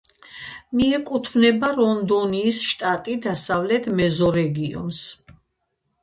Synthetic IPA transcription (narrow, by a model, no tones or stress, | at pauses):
miɛkʼut̪ʰvnɛbaɾɔnd̪ɔniːsʃt̪ʼat̪ʼid̪asavlɛt̪mɛzɔɾɛɡiɔ̰ns